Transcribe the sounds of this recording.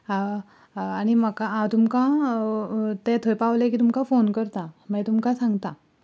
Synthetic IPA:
aɽ̃iməkaat̪umka | t̪et̪ʰəjpaʋlekiːt̪umkafonkəɾt̪amət̪umkasãŋɡt̪a

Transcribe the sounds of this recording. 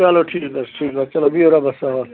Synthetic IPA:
aloʈʰiːkd̪ɐsʈʰiːkd̪at͡ʃɐlobioɾabɐsaɦo

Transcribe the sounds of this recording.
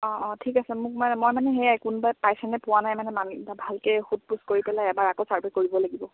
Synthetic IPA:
ɔ̃ɔ̃tʰikasɛmʊk̚manɛmojmanɛɦɛjajkunbajpajsɛnɛpʊwanajmanɛmanabʱalkɛhut̚puskoɹipɛlajɛbaɹakosaɹbʱakoɹibɔlaɡibɔ

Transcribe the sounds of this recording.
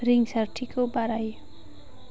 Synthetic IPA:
riŋsarʈʰikʰobaɾaj

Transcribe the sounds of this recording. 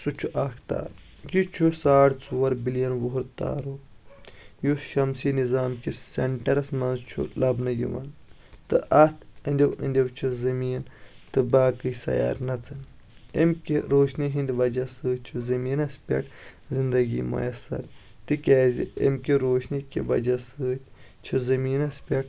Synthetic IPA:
sut͡ʃʰuʔɐkt̪a̰ːɾ | jut͡ʃʰusaːʈt͡suʋɐɾbilijɐnʋouɾt̪a̰ːɾu | juʃɐmsinizaːmkiseɳʈɐɾɐsmɐnzt͡ʃʰṵlɐbnɐjḭʋɐ̰n | t̪ɨʔɐt̪ʰɐnʲd̪ʲɐwɐ̰nʲd̪ʲɐwt͡ʃʰuzɐmiːnt̪ɨbaːkɨsɐ̰ja̰ːɾnɐt͡sʰɐn | emkiɾoːʃniɦind̪ʲʋɐd͡ʒɐsɨːt͡ʃʰuzɐmiːnɐspʲɐ̰ʈzind̪ɐɡḭmɐ̰jɐsːɐ̰ɾ | t̪ikʲaːzḭʔḛmkiɾoːʃnikʲiʋɐ̰d͡ʒɐsɨːt̪ʲt͡ʃʰuzɐmiːnɐspʲɐʈ

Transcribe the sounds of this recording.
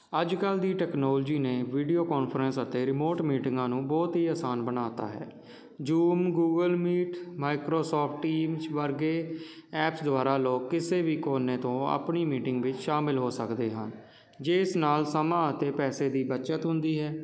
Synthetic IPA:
əd͡ʒkəld̪iːʈɛːknɔːld͡ʒiːneːʋiːɖijoːkɔːnpʰəɾənsət̪eːɾɪmoːʈmiːʈɪ̃ŋɡãːnũːbɔːt̪ɦiːaːsaːnbənaːt̪a̰ːɦɛ̰ː | d͡ʒuːmɡuːɡəlmiːʈmaːɪkɾoːsɔːpʰʈʈːiːmt͡ʃʋəɾɡeː | ɛːpsd̪ʊaːɾaːloːkːɪseːʋiːkoːneːt̪õːə̰pɳiːmiːʈɪŋɡʋɪt͡ʃʃaːmɪlɦoːsəkd̪eːɦən | d͡ʒeːɪsnaːlsəmãːət̪eːpɛːseːd̪iːbətːʃət̪ɦʊ̃nd̪iːɦɛː

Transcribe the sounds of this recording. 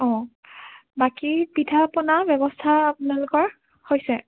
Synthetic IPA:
ɔ̃ | bakipitʰapɔnabjɛbɔstʰaːpunalʊkɔɹ | hojsɛ

